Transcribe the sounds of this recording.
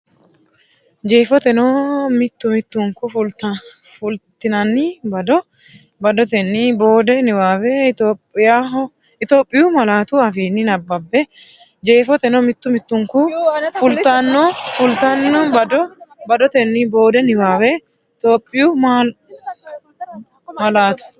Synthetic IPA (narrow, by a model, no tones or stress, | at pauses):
d͡ʒeːfɔt̪ɛnɔmɪt̪ːʊmɪt̪ːʊŋkʊfʊlt̪ɐfʊlt̪ːɪnɐnːɪbɐd̪ɔ | bɐd̪ɔt̪ɛnːiboːd̪ɛnɪwaːwɛɪt̪oːpʼːɪjaɦ | ɪt̪o̞ːpʼːɪjʊmɐlaːt̪ʊɐfiːnːɪnɐbːɐbːɛ | d͡ʒe̞ːfɔt̪ɛnɔmɪt̪ːʊmɪt̪ːʊŋkʊfʊlt̪ɐnːɔfʊlt̪ɐnːɔbɐd̪ɔbɐd̪ɔt̪ɛnːɪbo̞ːd̪ɛnɪwaːwɛ | ɪt̪o̞ːpʼːɪjʊmaːl | mɐlaːt̪ʊ̥